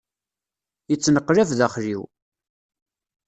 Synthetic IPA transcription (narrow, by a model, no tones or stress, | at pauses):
jət͡sːnəqːɾævðæχɾiw